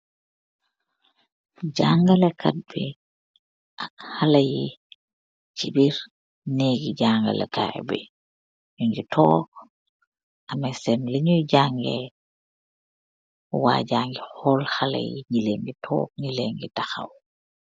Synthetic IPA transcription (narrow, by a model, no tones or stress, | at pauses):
ɟaːŋɡalekat̚bɛ | ʔakhalaji | t͡ʃibiɾ | neɡiɟaŋɡa̰lḛkajbɛ̰ | ɲuɲɡitʰɔːk̚ | ʔamasɛmliɲujɟaŋɡḛ | wa̰ɟaːŋɡihɔlhala̰jḭɲileŋɡitʰɔ̰ːk̚ɲileŋɡitaxa̰w